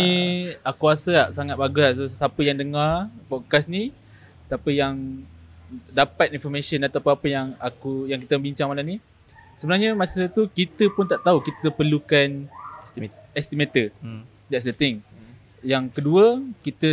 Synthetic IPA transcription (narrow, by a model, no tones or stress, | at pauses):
iakuasəaʔsaŋat̪̚baɡassapəjaŋdəŋarpɔkasni | sapəjaŋ | dapat̪̚infɔmeʃənat̪apuapəjaŋakujaŋkit̪əbiɲt͡ʃaŋmalamni | səbənarɲəmasasat̪ukit̪əpʊnt̪aʔt̪aukit̪əpərlukan | ɛst̪imet̪ə | d̪ɛts̬dət̪ɪŋ | jaŋkəduəkit̪ə